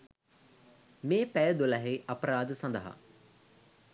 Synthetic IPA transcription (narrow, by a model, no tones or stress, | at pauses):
mẽːpɛjəd̪olaɦeʔɐpɾaːd̪sɐ̃nd̪əɦa̰